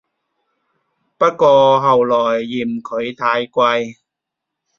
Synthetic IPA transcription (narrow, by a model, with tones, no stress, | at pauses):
pɐ˥t̚kɔː˧ɦɐ˨˩wlɔː˨˩jːiː˨˩mkʰɵ˨˧˥ɥt̪ʰaː˧jkʷɐ˧j